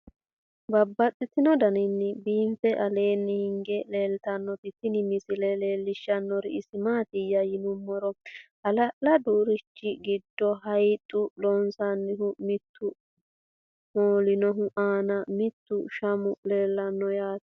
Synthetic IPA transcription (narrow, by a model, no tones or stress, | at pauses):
bɐbːɐt͡sʼːɪt̪ɪnɔd̪ɐnɪnːɪbiːmfɛʔɐle̞ːnːɪhɪŋɡɛle̞ːlt̪ɐnːɔbɪt̪ːɪnɪmɪsɪlɛleːlːɪʃːɐnːɔɾɪɪsɪmaːt̪ɪjɐjɪnʊmːɔɾɔhɐlɐʔlɐd̪uːɾɪt͡ʃːɪɡɪd̪ːɔɦɐjt̪ʼːʊlɔnsɐnːɪhʊmɪt̪ʰːʊ | moːlɪnɔɦʊʔaːnɐmɪt̪ːʊʃɐmʊle̞ːlːɐnːɔjaːt̪